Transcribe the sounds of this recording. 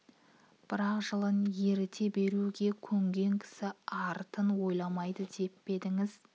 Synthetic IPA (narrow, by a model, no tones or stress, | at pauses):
b̥ɪɾɑqʒəlˠənje̞ɾɪt̪ʰe̞be̞ɾuɡʲe̞kʲʰɵŋɡʲe̞ŋkʲʰɪ̥sɪɑɾt̪ənwo̞jlˠɑmɑjd̪əd̪e̞pːe̞d̪ɪŋɪz̥